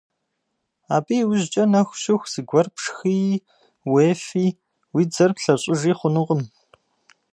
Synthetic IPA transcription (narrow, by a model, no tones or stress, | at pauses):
aːbiːwʊʑt͡ʃʼɐnɐxʷɕɪxʷz̥ɨɡʷɐrpʂxij | weːfiː | wiːd͡zɐrpɬɐɕʼɪʒiːχʷʊnɨʁəm